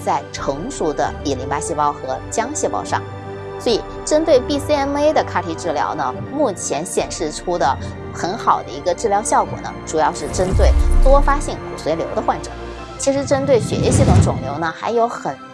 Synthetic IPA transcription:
t͡sa˥˩ɪʈ͡ʂʰɤ˧˥ŋʂu˧˥˩d̪ə̰˧pi˨˩li˧˥ŋpa˥ɕjɛ˥˧˩pɑ˥ʊxɤ˧˥t͡ɕjɑ˥ŋɕjɛ˥˧pɑ̰˥˧ʊʂɑ̰˥˩ŋ | swɔ˧˥i˨˩ | ʈ͡ʂə˥nt̪we˥˧ɪpi˥˧si˥ɛ˥ne˥ɪd̪ə˨kʰa˥˩t̪ʰi˧˥ʈ͡ʂɻ̩˥˩ljɑ̰˧˥ʊnə˧ | mu˥˩t͡ɕʰjɛ˧˥nɕjɛ˨˩nʂɻ̩˥˩ʈ͡ʂʰu˥d̪ə˨ | xə˧˥nxɑ˨˩ʊd̪ə̰˦i˧˥ɡə˧ʈ͡ʂɻ̩˥˩ljɑ˧˥ʊɕjɑ˥˩ʊkwɔ̰˨˩nə̰˦ʈ͡ʂu˨˩jɑ˥˧ʊʂɻ̩˥˩ʈ͡ʂə˥nt̪we˥˩ɪt̪wɔ˥fa˥ɕi˥˩ŋkʰu˨˩swe˧˥ɪljo˧˥d̪ə˧xwa˥˩nʈ͡ʂɤ̰˨˩˦ | t͡ɕʰi˧˥ʂɻ̩˧˥ʈ͡ʂə˥nt̪we˥˩ɪɕɥɛ̰˧˥ɛ˥ɕi˥˩t̪ʰʊ˧˥˩ŋʈ͡ʂʊ˨˩ŋljo˧˥ʊnə˧xa˧˥ɪjo˧˥ʊxə˨˩n

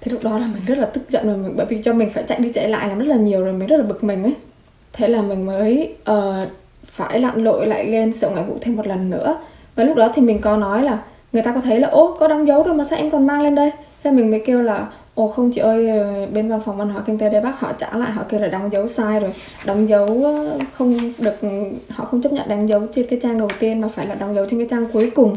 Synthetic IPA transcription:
t̪ʰi˨˩lʊ˦˥k̚ɗɔ˨˦laː˨˩mï˨˩ŋ̟zə˦˥t̚laː˨˩t̪ɨ˦˥k̚zə̰˧˨nzo˨˩jmï˨˩ŋ̟ɓə̰˧˩jvi˨˩t͡ɕɔ˧mï˨˩ŋ̟faː˧˩jt͡ɕa˦˥jk̚ɗi˧t͡ɕə̰˧˩la̰ː˧˨jlaː˨˩mzə˦˥t̚laː˨˩ɲi˨˩əwzo˨˩jmi˨˩ŋ̟zə˦˥t̚laː˨˩ɓɨ˨˩k̚mï˨˩ŋ̟ʔə˨˦j | t̪ʰe˨˦laː˨˩mï˨˩ŋ̟məː˨˦jʔəː˨˩ | faː˧˩jla̰ː˧˨nlo̰˧˨jla̰ː˧˨jle˧nsə˧˩wŋa̰ː˧˨vṵ˧˥t̪ʰe˧mːo˨t̚lə˨˩nːɨ̰˧˥ə | vaː˨˩lʊ˦˥k̚ɗɔ˨˦t̪ʰi˨˩mï˨˩ŋ̟kɔ˨˦nɔ˨˦jlaː˨˩ | ŋɨ˨əjt̪aː˧kɔ˨˦t̪ʰə˨˦jlaː˨˩ʔo˧kɔ˨˦ɗa˨˦wŋ͡mzə˨˦wzo˨˩jmaː˨˩aː˧˥ʔɛ˧mkɔ˨˩nmaː˧ŋle˧nɗə˧jzaː˧˩mï˨˩ŋ̟məː˨˦jke˧əwlaː˨˩ | ʔo˨˩xə˧wŋ͡mt͡ɕi˧˩ʔəː˧jəː˨˩ɓe˧nva˧˩nfa˨˩wŋ͡mva˧nhɦa˧˩kï˧ŋ̟t̪e˨˦ɗe˧˩ɓaː˦˥k̚hɔ̰˧˨t͡ɕaː˧˩la̰ː˧˨jɦɔ̰˧˨ʔke˧əwlaː˨˩ɗa˨˦wŋ͡mzə˨˦wsaː˧jzo˨˩j | ɗɔ˨˦wŋ͡mzə˨˦wxə˧wŋ͡mɗɨ˨˩ək̚hɔ̰˧˨xə˧wŋ͡mt͡ɕə˦˥p̚ɲə̰˧˨nɗa˨˦ŋ̟zə˨˦wt͡ɕe˧nkaː˨˦jt͡ɕaː˧ŋɗə˨˩wt̪i˧ənmaː˨˩faː˧˩jlaː˨˩ɗa˨˦wŋ͡mzə˨˦wt͡ɕe˧nkaː˨˦jt͡ɕaː˧ŋku˨˦əjkʊ˨˩ŋ͡m

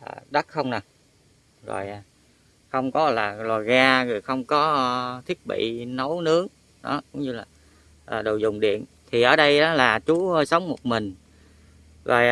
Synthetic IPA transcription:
ʔəː˨˩ɗə˦˥t̚xə˧wŋ͡mna˨˩ | zo̰˨˩jʔaː˨˩ | xə˧wŋ͡mkɔ˨˦laː˨˩lɔ˨˩ɣaː˧zə˨˩jxə˧wŋ͡mkɔ˨˦˧t̪ʰi˦˥ət̚ɓḭ˧˨nə˨˦wnɨ˨˦əŋ | ɗɔ̰˨˦kʊ˨˦ŋ͡mɲɨ˧laː˨˩ | ʔəː˨˩ɗo̰˨˩zʊ˨˩ŋ͡mɗḭ˧˨ən | t̪ʰi˨˩ʔəː˨˩ɗə˧jʔəː˨˦laː˨˩t͡ɕu˨˦hə˧sə˨˦wŋ͡mmo˨˩t̚mï˨˩ŋ̟ | zo̰˨˩j

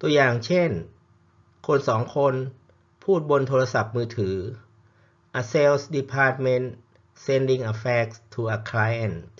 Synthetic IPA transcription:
t̪u˧ɐjaː˨˩ŋt͡ɕʰe˥˩n | kʰo˧nsɔː˩˦ŋkʰo˧n | pʰuː˥˩t̪̚bo˧nt̪ʰoː˧ɾa˧sa˨˩p̚mɯː˧t̪ʰɯː˩˦ | ʔa˧se˧˥lsdi˧pʰaː˧˥t̪̚me˧˥n | se˧ndi˧ŋʔa˧fɛː˧˥k̚st̪ʰuː˧ʔa˧kʰla˧˥ja˧˩n

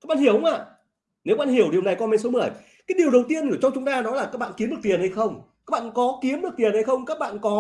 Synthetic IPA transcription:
ka˦˥ɓa̰ː˧˨hi˧˩əwhʊ˨˦ŋ͡mʔa̰ː˧˨ | ne˨˦wa˦˥˦ɓaː˧˩hi˧˩əwɗi˨əwna˨˩jkɔ˧me˧˩so˨˦mɨ˨˩əj | kaː˨˦jɗi˨˩əwɗə˨˩wt̪i˧ənkːt͡ɕɔ˧wŋ͡mt͡ɕʊ˨˦ŋ͡mt̪aː˧nɔ˨˦laː˨˩kaː˦˥k̚ɓ̰aː˧˨nki˨˦əmɗɨ˨˩əkt̪i˨˩ənha˧jxə˧wŋ͡maː˦˥k̚ɓa̰ː˧˨nkɔ˨˦ki˨˦əmɗɨ˨˩ək̚t̪i˨˩ənha˧jxə˧wŋ͡mkaː˦˥k̚ɓa̰ː˧˨nkɔ˨˦

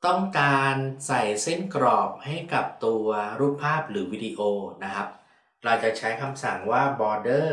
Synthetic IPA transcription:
t̪ɔ˥˩ŋkaː˧nsa˨˩jse˥˩nkɾɔː˨˩p̚ha˥˩jka˨˩p̚t̪u˧ɐɾuː˦˥˩pʰːaː˥˩p̚ɾɯː˩˦wi˦˥diː˧ʔoː˧na˦˥kʰa˦˥p̚ | ɾa˧wt͡ɕa˨˩t͡ɕʰa˦˥jkʰa˧msa˨˩ŋwaː˥˩bɔː˧dɤː˥˩

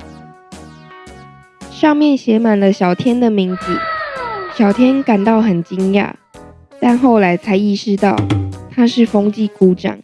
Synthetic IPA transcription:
ʂɑ˥˧ŋmjɛ˥˨nɕjɛ˧˥ma˨˩nlə˦ɕɑ˨˩ʊt̪ʰjɛ˥nd̪ə˨mi˨˥˦ŋt͡sḭ˨˩ɕjɑ˨˩ʊt̪ʰjɛ˥nka˨˩nt̪ɑ˥˩ʊxə˨˩nt͡ɕi˦ŋja̰˥˩˨ | t̪a˥˧nxo˥˩ʊla˧˥ɪt͡sʰa˧˥ɪi˥˧ʂɻ̩˥˧t̪ɑ˥˨˩ʊt̪ʰa˦ʂɻ̩˥˨fo˥ŋt͡ɕi˥˨ku˥˦ʈ͡ʂɑ̰˨˩˦ŋ

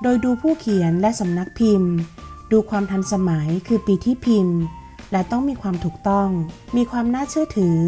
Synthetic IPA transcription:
doː˧jduː˧pʰuː˥˩kʰi˨˩˦ənlɛ˦˥ʔsa˩˦mna˦˥k̚pʰi˧mduː˧kʰwaː˧mt̪ʰa˧nsa˧ma˩˦jkʰɯː˧piː˨˩t̪ʰiː˥˩pʰi˧m | lɛ˦˥t̪ɔ˥˩ŋmiː˧kʰwaː˧mt̪ʰuː˨˩k̚t̪ɔ˥˩ŋmiː˧kʰwaː˧mnaː˥˩t͡ɕʰɯ˥˩ɐt̪ʰɯː˩˦

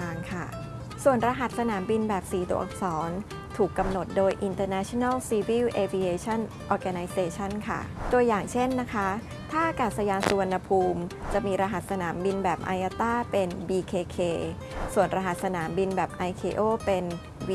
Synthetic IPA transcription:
aː˧ŋkʰa˥˩ | su˨˩ənɾa˧ɦa˨˩t̪̚sa˧naː˩˦mbi˧nbɛː˨˩p̚siː˨˩˦t̪o̰˧˩ʔk̚sɔː˩˦n | t̪ʰuː˨˩kːa˧mno˨˩t̪̚doː˧jʔi˧nt̪ɤː˧nɛː˦˥t͡ɕʰo˧na˥˩lsiː˧wiː˥˩wʔe˧fi˧eː˧˥t͡ɕʰa˥˩n | ʔɔː˧ka˧na˧jseː˧t͡ɕʰa˥˩nkʰa̰˥˩t̪u˧əjaː˨˩ŋt͡ɕʰe˥˩nːa˦˥kʰa˦˥ | t̪ʰaː˥˩ʔa˧kaː˨˩t̪̚sa˧jaː˧nsu˧a˧nːa˧pʰuː˧mt͡ɕa˨˩miː˧ɾa˧ɦa˨˩t̪̚sa˧naː˩˦mbi˧nbɛː˨˩p̚ʔa̰˧jʔaː˧t̪aː˥˩pe˧nbiː˧kʰeː˧kʰeː˧ | su˨˩ənɾa˧ɦa˨˩t̪̚sa˧naː˩˦mbi˧nbɛː˨˩p̚ʔa˧jkʰeː˧ʔoː˥˩pe˧n

